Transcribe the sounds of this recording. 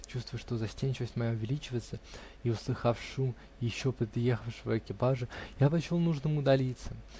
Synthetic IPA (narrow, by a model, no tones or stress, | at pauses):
t͡ɕust̪vʊjʊʂt̪o̞zɐsʲtʲenʲt͡ɕɪvəsʲtʲmɐjaʊvʲɪlʲit͡ɕɪvət̪sə | iʊslˠɨxafʂum | jɪɕːopɾʲɪp̪ɾʲɪje̞xəfʂvəɪkʲɪpaʐɨjapɐt͡ɕolˠnuʐnɨmʊd̪ɐlʲit̪sə